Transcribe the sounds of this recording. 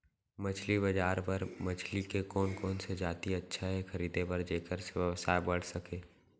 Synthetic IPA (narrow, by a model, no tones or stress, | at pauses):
mət͡ʃʰlibəd͡ʒaːɾpɐɾmɐt͡ʃʰlikekɔːnkɔːnsed͡ʒaːt̪iɐtːʃʰaɦɛxʰɐɾiːd̪ebɐɾd͡ʒeːkəɾseʋəsaːebɐɽ̤sɐkeː